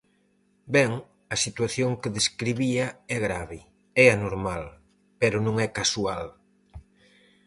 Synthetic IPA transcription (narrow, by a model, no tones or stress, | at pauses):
bɛŋ | ɐsit̪waθjoŋkeðeskɾiβiɐɛɣɾaβɪ | ɛanoɾmal | pɛɾʊnõŋɛkasual